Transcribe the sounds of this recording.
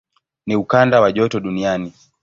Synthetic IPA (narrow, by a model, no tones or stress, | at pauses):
niukandawaʄɔtɔɗuniani